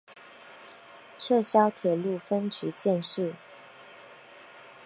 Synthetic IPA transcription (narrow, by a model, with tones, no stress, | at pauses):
ʈ͡ʂʰɤ˥˩ɕjɑ˥ʊt̪ʰjɛ˨˩lu˥˩fə˥nt͡ɕy˧˥˦t͡ɕjɛ˥˧nʂɻ̩˥˩